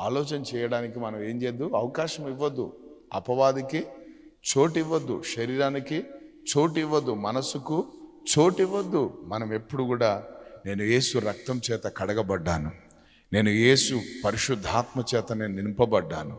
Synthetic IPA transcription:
aːlɔːt͡ʃɐnɐt͡ʃɛːjɐɽaːnikimɐnɐme̞ːɲd͡ʒeːd̪ːuɐʋɐkaːʃɐmiʋːɐd̪ːṵɐ̰pɐʋaːd̪iki | t͡ʃo̞ːʈiʋːɐd̪ːṵʃɐɾiːɾaːnikit͡ʃo̞ːʈiʋːɐd̪ːumɐnɐsuku | t͡ʃo̞ːʈiʋːɐd̪ːumɐnɐme̞pːuɽukuːɽaːne̞ːnuje̞ːsuɾɐk̚t̪ɐmt͡ʃɛːt̪ɐkɐɽɐɡɐbɐɖːaːnu | ne̞ːnuje̞ːsupɐɾiʃud̪ʱːaːt̪mɐt͡ʃɛːt̪ɐnennimpɐbɐɖːa̰ːnu

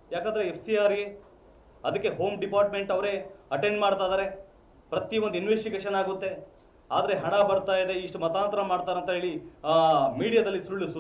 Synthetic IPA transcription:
jaːkaːnd̪ɐɾeepʰsijaːɾi | ɐd̪ɐkːe̞ɦo̞ːmɖipaːɾʈ̚meɳʈɐʋɾe̞ːɐʈe̞ɳɖmaːɽt̪aːjd̪aːɾe̞ | pɾɐt̪iʋond̪uinʋesʈiɡeːʃɐnaːɡut̪ːe̞ | a̰ːd̪ɐɾe̞ɦɐɳɐbɐɾt̪aːjd̪e̞iʂʈumɐt̪aːnt̪ɐɾɐmaːɽt̪aːɾɐnt̪ɐɦe̞ːɭi | miːɽijɐd̪ɐlːisuɭːusu

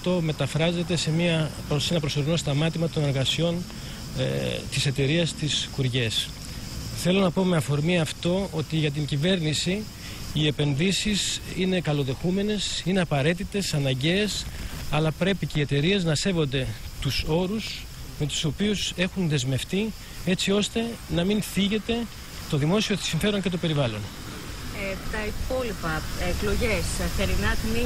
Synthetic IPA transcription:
t̪o̞me̞t̪ɐfɾɐze̞t̪e̞se̞miɐposenɐpɾo̞so̞ɾino̞st̪ɐmɐt̪imɐt̪o̞ne̞ɾɣɐsio̞n | t̪ise̞t̪e̞ɾiɐst̪iskuɾʝe̞s | θe̞lo̞nɐpo̞me̞ɐfo̞ɾmiɐft̪o̞o̞t̪iʝɐt̪̬iɲɟive̞ɾnisiː | e̞pe̞nðisisine̞kɐlo̞ðe̞xume̞ne̞sine̞ɐpɐɾe̞t̪it̪e̞sɐnɐɲɟe̞ːsɐlɐpɾe̞picee̞t̪e̞ɾie̞znɐse̞vo̞nd̪e̞t̪uso̞ɾus | me̞t̪u̥so̞piuse̞xunðe̞zme̞ft̪i | e̞t͡sio̞st̪e̞nɐminθiʝe̞t̪e̞ | t̪o̞ðimo̞sio̞siɱfe̞ɾo̞nce̞t̪o̞pe̞ɾivɐlo̞n | t̪ɐipo̞lipɐekloʝesθeɾinɐt̪mi

